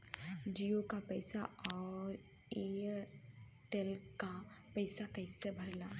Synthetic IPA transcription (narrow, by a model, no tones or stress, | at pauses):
d͡ʒiːokapɛɪsaɔːɾ | eː | ʈelkapɛɪsakɛɪsebʱɐɾlaː